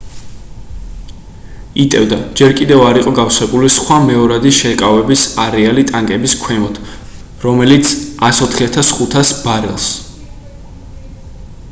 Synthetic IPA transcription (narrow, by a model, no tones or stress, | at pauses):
it̪ʼɛvd̪ad͡ʒɛɾkʼid̪ɛvaɾiqʼɔɡafswɛbulisχwamɛɔɾad̪iʃɛkʼavɛbisaɾɛalit̪ʼaŋkʼɛbiskʰwɛmɔt̪ʰ | ɾɔmɛlit̪sʰasɔt̪ʰχiat̪ʰasχut̪ʰasbaɾɛlˠs